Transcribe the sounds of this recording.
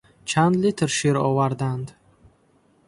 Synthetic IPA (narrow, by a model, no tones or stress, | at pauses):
t͡ʃʰand̪lit̪ʰɾʃiɾɔvaɾd̪and̪